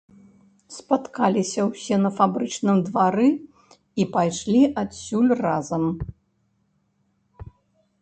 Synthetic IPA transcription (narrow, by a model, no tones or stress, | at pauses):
spat̪kalʲisʲɐwsʲɛnɐfabɾɨt͡ʂnɨmd̪vaɾɨ | ipajʂlʲiʔasʲːulʲrazɐm